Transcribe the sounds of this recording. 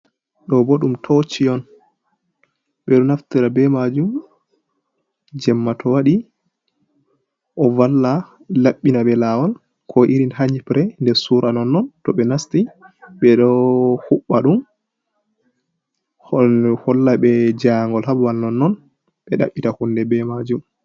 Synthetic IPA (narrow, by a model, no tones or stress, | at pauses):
ɗɔboɗumtʰɔt͡ʃijɔn | ɓɛɗɔnaftiɾabɛmad͡ʒum | d͡ʒɛmːatʰɔwaɗi | ʔɔvalːa | laɓːinaɓɛlawɔl | kʰɔʔiɾinhaɲipɾɛndɛɾsuɾʔanɔnːɔntɔɓɛnastiɓɛɗɔhuɓːaɗum | hɔlːaɓɛd͡ʒaŋɡɔlhabwalnɔnːɔn | ɓɛɗa̰ɓːitahunːdɛbɛmad͡ʒum